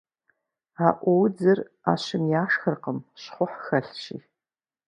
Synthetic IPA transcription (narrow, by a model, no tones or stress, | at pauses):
aʔʷowd͡zɨr | a̰ʃɪmjaːʂxərqəmɕχʷʊħxɐɬʃḭ